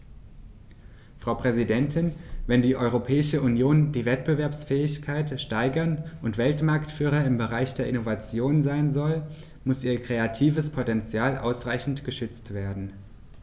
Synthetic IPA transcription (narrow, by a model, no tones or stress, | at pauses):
fʁ̥aʊpʁ̥ɛzidɛntʰɪnvɛndiːʔɔʏʁopʰɛːɪʃəʔunjoːndiːvɛtb̥əvɛɐpsfɛːɪçkʰaɪtʃtaɪɡɐnʔʊntv̥ɛltmaɐktfyːʁ̞ɐɪmbəʁaɪçd̥eːɐʔɪnovat͡sjoːnzaɪnzɔl | mʊsiːɐkʁ̥eatʰiːvəspʰotɛnt͡sjaːlʔa̰ʊsʁaɪçn̩tɡ̥əʃʏt͡stv̥eːɐdn̩